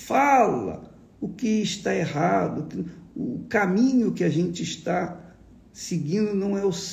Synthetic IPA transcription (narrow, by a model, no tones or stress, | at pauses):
falɐ̰ | ʊkɪːʃt̪aeɦad̪ʊkɪʊkamĩɲʊkɪaʒẽnt͡ʃɪiʃt̪a | sɪɡĩnd̪ʊnɐ̃w̃ɛʊs